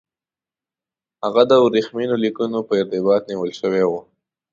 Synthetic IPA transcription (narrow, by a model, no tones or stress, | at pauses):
haɣad̪əɾixminolikunopəɪɾt̪ɪbɑt̪niwəlʃəwewu